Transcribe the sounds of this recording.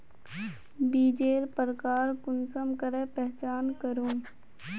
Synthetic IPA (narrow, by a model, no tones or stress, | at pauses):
biːd͡ʒeːɾpəɾkaːɾkʊnsəmkəɾepɛɦt͡ʃaːnkəɾũː